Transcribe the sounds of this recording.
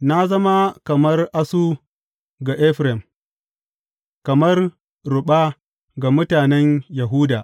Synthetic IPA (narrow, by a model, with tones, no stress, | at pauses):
na˦zɐ˦ma˦kɐ˨mɐ˦rʔa˦su˦ | ɡa˨ʔɛ˦ɸɾɛ˨m | kɐ˨mɐ˦r | ɾʊ˨ɓa˦ | ɡa˨mʊ˦taː˨nɛ˦ɲjɐ˨ɦuː˦daː˨